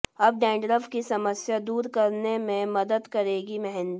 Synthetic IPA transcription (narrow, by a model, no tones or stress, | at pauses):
ɐb̚ɖɛ̃ːɳɖɾəfkisɐməsjad̪uːɾkɐɾnemẽmɐd̪əd̪kɐɾeːɡimɛɦɛ̃nd̪i